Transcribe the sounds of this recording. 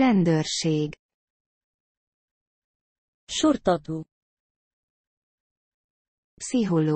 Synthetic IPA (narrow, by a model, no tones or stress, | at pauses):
ɛnd̪ørʃeːɡ | ʃurt̪ɒt̪uː | psiɦolo